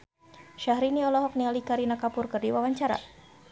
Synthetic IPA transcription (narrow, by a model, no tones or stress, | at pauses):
ʃaɦɾiniɔlɔɦɔk̚nialikaɾinakapʊrkɨrdiwawaɲt͡ʃaɾa̰